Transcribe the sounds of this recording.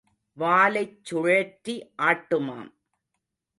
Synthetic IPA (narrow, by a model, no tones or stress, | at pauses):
ʋaːlɐɪt͡ʃːʊɻeːʈɾiʔaːʈːɯma̰ːm